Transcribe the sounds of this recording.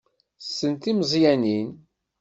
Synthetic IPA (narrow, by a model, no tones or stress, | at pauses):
sːənt̪iməzˤjænin